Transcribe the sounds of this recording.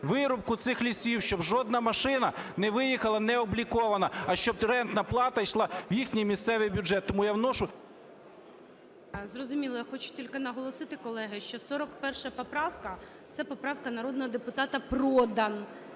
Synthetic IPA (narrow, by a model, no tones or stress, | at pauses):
ʋɪɾɔp̚kʊt̪sɪxlʲisʲiwʃt͡ʃɔbʒɔd̪̚nɐmɐʃɪnɐnɛʋɪjixɐlˠɐnɛɔblʲikɔʋɐnɐɐʃt͡ʃɔb̚ɾɛnt̪nɐplˠɑt̪ɐjʃlˠɑwjixnʲijmʲist̪sɛʋɪjbʲʊd͡ʒɛt̪ːɔmujawnɔʃʊ | zrɔzʊmʲilˠɔjaxɔt͡ʃʊ̥tʲilʲkɪnɐɦɔlˠɔsɪt̪ɪkɔlˠɛɦɪʃt͡ʃɔsɔɾɔkpɛrʃɐpɔpɾɑwkɐ | t̪sɛpɔpɾɑwkɐnɐɾɔd̪nɔɦɔd̪epʊt̪ɑt̪ɐprɔd̪ɐn